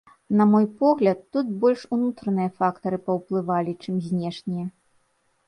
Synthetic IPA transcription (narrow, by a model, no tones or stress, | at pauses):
nɐmɔjpɔɣlʲɐt̪ːut̪̚bɔlʲʂunut̪ɾɐnɨjɐfakt̪ɐɾɨpɐwplˠɨvalʲit͡ʂɨmzʲnʲɛʂnʲijɐ